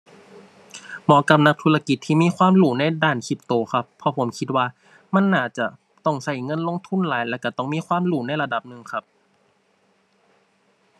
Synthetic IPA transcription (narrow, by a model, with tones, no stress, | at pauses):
mɔː˨˦˥ka˨˧˩p̚na˧˥k̚t̪ʰu˧la˧ki˨˩t̪ʰːiː˧˨miː˧˥˨kʰwaː˧˥˨mluː˨˩na˧˩jdaː˧˩nkʰi˧˩p̚t̪oː˧˦xʰa˧pʰːɔ˧pʰo˨˩˦mkʰi˧t̪̚waː˧˩ | ma˧˥˨nːaː˧˩t͡ɕa˧˩ | t̪ɔ˧˩ŋsa˧˩jŋɤ˧˨nlo˧˨ŋt̪ʰu˧˥˨nlaː˨˦jlɛː˧˩wka˧˩t̪ɔ˧˩ŋmiː˧˥˨kʰwaː˧˥˨mluː˧˩na˧˥˨jla˧da˨˩p̚nɯ˨˩ŋkʰa˧˥p̚